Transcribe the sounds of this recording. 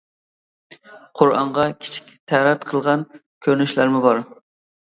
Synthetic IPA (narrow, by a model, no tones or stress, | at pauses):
qʰʊɾɑ̰ɴʁɑkʲʰi̥t͡ʃʰi̥kʲt̪ʰæɾɛt̪qʰəlˠʁɑn | kʲʰøɾnyʃlæɾmɪbɑɾ